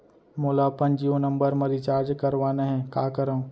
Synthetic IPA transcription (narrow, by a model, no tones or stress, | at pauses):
moːlapənd͡ʒiːonɐ̃mbəɾmɐɾit͡ʃaːɾd͡ʒkɐɾʋaːneɦɛ̃kaːkɐɾə̃